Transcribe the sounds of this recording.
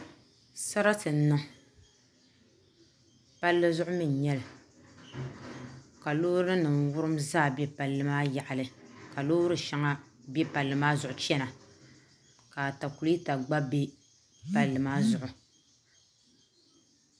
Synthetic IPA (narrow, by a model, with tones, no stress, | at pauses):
sa˦ɾa˦tɨ˨n̩˦nɨ˦ | pa˦lːɨ˦zʊ˦ʔʊ˦mɨ˨n˨ɲɛ˦l | ka˨loː˦ɾɨ˦nɨ˨nwʊ˦ɾɨ˦mzaː˦˨bjɛ˦pa˨lːɨ˦maː˦ja˨ʔa˨lɨ˨ka˨loː˦ɾɨ˦ʃa˦ŋa˦ | bjɛ˦pa˨lːɨ˨maː˦zʊ˨ʔʊ˨t͡ʃɛ˦na˨ | kaː˨ta˨ku˨li˦ta˨ɡ͡ba˦be˦ | pa˨lːɨ˨maː˦zʊ˨ʔʊ˨